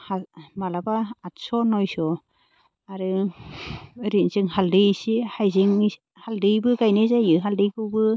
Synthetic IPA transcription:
hamalabaːt̚sɔnɔjsɔ | aɾɯ | ɾinzɯŋhaldɯjsihajziŋ | haldɯjbɯɡajnɯzajɯɦaldɯjɡɯwbɯ

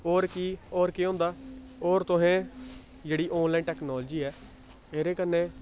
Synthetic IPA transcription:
oːɾkiːoːɾkɪõːnd̪aː | oːɾt̪ʊɦẽː | d͡ʒeːɽiːʔɔ̃ːnlaːinʈɛːknɔːld͡ʒiːɛː | eːɾeːkənːeː

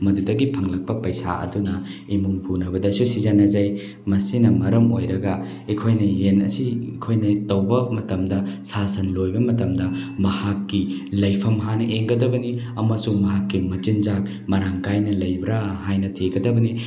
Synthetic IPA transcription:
mɐdudɐɡipʰɐŋlɐk̚pɐpɐjsa̰ɐ̰dunɐimuŋpʰunɐbɐdɐsusizɐnɐzɐj | mɐsinɐmɐɾɐmojɾɐɡɐ | ikʰojnɐjenɐ̰siikʰojnɐtɐwbɐmɐtɐmdɐsasɐnlojbɐmɐtɐmdɐmɐhakːi | lɐjpʰɐmɦanɐʔeŋɡɐdɐbɐni | ɐmɐsuŋmɐɦakːimɐt͡ʃinzak | mɐɾaŋkajnɐlɐjbɾaɦajnɐtʰeɡɐdɐbɐni

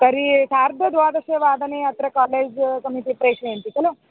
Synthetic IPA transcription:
kɐɾisaːɾd̪ʱɐd̪ʋaːd̪ɐʃeːʋaːd̪ɐneɐt̪ɾɐkaːleːd͡ʒkɐmiʈ̪ipɾeːʂɳeɐnt̪ikɐlu

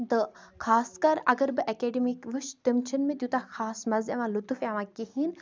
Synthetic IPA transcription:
d̪əxʰaːskɐɾɐɡəɾbɨʔɐkeːɖimikʋuʃd̪imt͡ʃʰɐnmẽt̪jut̪axaːsmɐzɐʋãːlut̪ufaːʋãːkihin

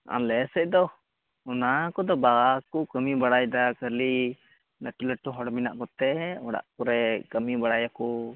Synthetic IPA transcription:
a̰lɛsɛc̚ˀd̪ɔ | ɔnakɔd̪ɔbaɡakukəmibaɽajd̪akəli | ləʈuləʈuɦɔɽmina̰ʔkɔt̪ɛɔɽa̰ʔkɔɾɛkəmibaɽajakɔ

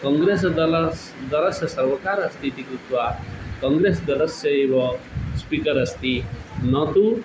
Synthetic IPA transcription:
kɔŋɡɾesd̪ɐls | d̪ɐɾɐsjɐsɐɾʋɐkaːɾɐst̪ʰit̪ikɾut̪ʋakɐ̃ŋɡɾesd̪ɐlɐsjɐeʋɐspikɐɾɐst̪inɐt̪u

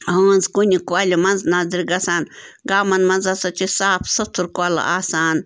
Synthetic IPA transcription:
ɐnzkunʲikualʲimɐnznaːziɾʲɡɐsaːnɡaːmɐnmɐnzɐsɐt͡ʃisaːpʰsɐt̪ʰuɾkuala̰aːsaːn

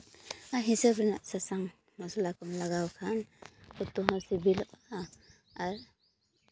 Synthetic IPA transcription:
aɦisəbɾina̰ʔsasaŋ | mɔsɔlakɔmlaɡawkʰankɔt̪uɦɔ̃sibilɔʔa | aɾ

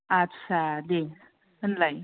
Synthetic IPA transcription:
atːɕʰad̪e | ɦənlaj

